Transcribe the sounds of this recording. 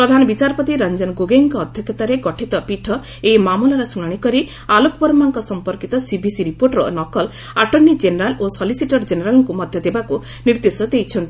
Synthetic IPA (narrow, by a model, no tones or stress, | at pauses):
pɾɔd̪ʱanɔbit͡ʃaɾpɔt̪iɾand͡ʒɔnɡoɡeŋkɔːd̪ʱjɔkʰjɔt̪aɾeɡɔʈʰit̪ɔpiʈʰɔ | emamulɔɾɔsuɽaɽ̃ikɔɾi | alukbɔɾmaŋkɔsɔmpɔɾkit̪ɔsibisiɾipoɾʈɾɔnɔkɔl | aʈɔnːid͡ʒeneɾalosɔlisiʈɔɾd͡ʒeneɾalɔŋkumɔd̪ʱjɔd̪ebaku | niɾd̪esɔd̪ejt͡ʃʰɔnt̪i